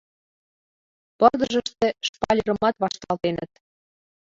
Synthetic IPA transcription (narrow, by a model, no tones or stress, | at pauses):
pɤrd̪əʒəʃt̪ĕʃpɑlʲiɾə̆mɑt̪βɑʃt̪ɑlt̪enət̪̚